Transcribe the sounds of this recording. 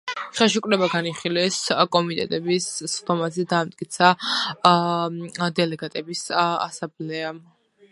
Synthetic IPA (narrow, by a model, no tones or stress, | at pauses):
χɛlˠʃukʼɾɛbaɡaniχilɛskʼɔmit̪ʼɛt̪ʼɛbisd̪ɔmazɛd̪aːmt̪ʼkʼit̪sʰa | d̪ɛlɛɡat̪ʼɛbisa̰samblɛam